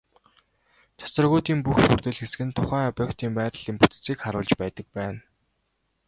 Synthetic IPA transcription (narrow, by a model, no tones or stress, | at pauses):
t͡ɕʰḁt͡sə̆rɣʊːt̪iːmpuxpurt̪ɘ̆ɮxesɘ̆ɡɘ̆nt̪ʰʊχæːŋapʲœːkt̪iːmpæːɾ̆ɮiːmput͡s̪t͡sʰiːkχaɾʊːɮt͡ɕpæːt̪ə̆k̚pæːn